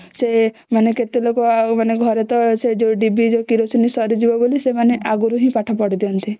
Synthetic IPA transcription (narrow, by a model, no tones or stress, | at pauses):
semaneket̪elokomaneɡʱɔɾet̪ɔsed͡ʒoɖibid͡ʒokiɾosinisɔɾid͡ʒibɔbolisemaneʔaɡuɾuɦĩpaʈʰapɔɽid̪iɔnt̪i